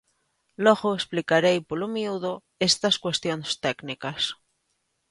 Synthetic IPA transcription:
loɣoesplikaɾejpolomiuðo | est̪askwe̞st̪jonst̪ɛknikas

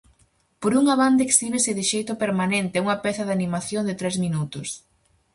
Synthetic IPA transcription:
poɾuŋaβand̪ekst̪imɪsɪðɪʃejt̪ʊpeɾmanent̪ɪuŋɐpɛθɐðanimaθjond̪ɪt̪ɾɛzminut̪ʊs

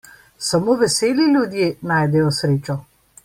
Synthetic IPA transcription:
samoːʋɛseːliljud̪jeːnaːjd̪ɛjɔsɾeːt͡ʃɔ

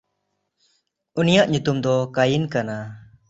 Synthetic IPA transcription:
unijaʔɲut̪umd̪ɔkajinkana

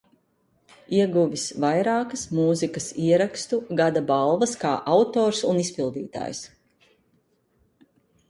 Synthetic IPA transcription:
iɛɡuvisvajɾaːkɐsmuːzikɐsiɛɾakst̪uɡad̪abalˠvɐskaːʔawt̪oːɾsunispilˠd̪ḭːt̪a̰ːjs

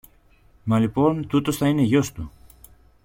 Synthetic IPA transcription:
mɐlipo̞nt̪ut̪o̞sθɐine̞ʝo̞st̪u

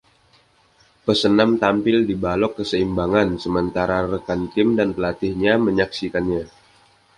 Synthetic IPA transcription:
pəsənamt̪ampɪldibalɔkːəsəimbaŋansəmənt̪aɾarəkant̪ɪmdanpəlat̪ɪhɲaməɲaksikanɲa

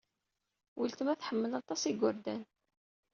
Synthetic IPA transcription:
wilt̪əmæθħəmːəlɑt̪ˤɑsiɡʷːʊɾd̪æn

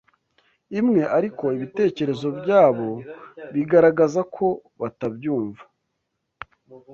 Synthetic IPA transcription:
imŋe̞ʔaɾiko̞iβite̞ːce̞ɾe̞zo̞bjaːβo̞βiɡaɾaɡazakʰo̞βatabjuːɱva

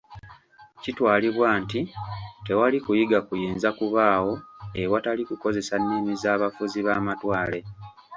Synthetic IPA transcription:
citwaːliβwaːntite̞walikujiɡakujiːnzakuβaːwo̞ewatalikuko̞ze̞sanːeːmizaːβafuziβaːmatwaːle̞

